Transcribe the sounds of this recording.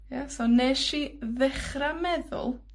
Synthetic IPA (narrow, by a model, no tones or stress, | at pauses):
jasɔneʃiðɪχramɛðʊ̰lˠ